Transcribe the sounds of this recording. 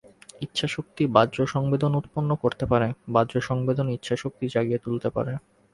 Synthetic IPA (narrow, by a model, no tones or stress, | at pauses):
itːɕʰaʃok̚t̪ibadd͡ʑoʃɔŋbed̪onut̪ponːokoɾt̪epaɾebadːd͡ʑoʃɔŋbed̪onitːɕʰaʃok̚t̪id͡ʑaɡiet̪ult̪epa̰ɾe